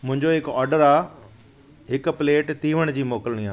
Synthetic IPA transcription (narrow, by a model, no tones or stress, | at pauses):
mʊ̃ɦɪ̃ɲd͡ʑoɪkɔːɾɖəɾaː | ɦɪkpleːʈt̪iːʋəɽ̃d͡ʑiːmoːkəlɽ̃iaː